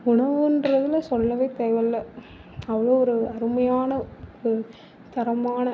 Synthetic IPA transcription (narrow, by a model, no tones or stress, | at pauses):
ʊɳɐʋɯndɾɐðɪlsɔlːɐʋeːt̪eːʋɐlːɐ | ɐʋɐɭoːɔɾɯɐɾɯmɐjaːnɐ | t̪ɐɾɐmaːnɐ